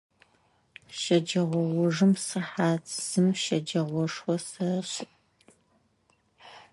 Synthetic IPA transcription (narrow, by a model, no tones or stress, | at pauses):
ʃɐd͡ʒɐʁʷɔwʊʐɨmsɨħaːt͡sʰz̥ɨmʃɐd͡ʒɐʁʷɔʂwɔsɐɕɪtʼ